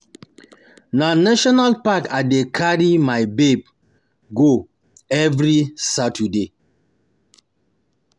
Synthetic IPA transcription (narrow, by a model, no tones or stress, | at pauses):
nanaʃɔnalpakadekʰaɹimajbeb̚ | ɡo | ɛvɹisatʰude